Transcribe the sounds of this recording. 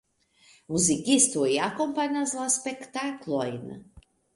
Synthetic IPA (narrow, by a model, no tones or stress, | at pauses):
muzikist̪ojakɔmpanʲazlˠaspɛkt̪aklˠɔjna̰